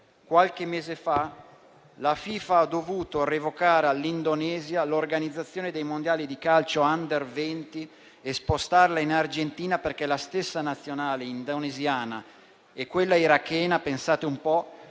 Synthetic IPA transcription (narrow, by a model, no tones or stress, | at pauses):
kwalk̟emːeːzefa | lafiːfaad̪ovuːt̪orevokaːɾealːind̪onɛːzjalorɡanid̪zːat̪sːjoːned̪ejmond̪jaːlid̪ikalt͡ʃoand̪ervɛnt̪i | espost̪arlainard͡ʒent̪iːnaperkɛlast̪esːanat̪sːjonaːleind̪onezjaːna | ɛkːwelːaiɾakːɛːnapensaːt̪eumpɔ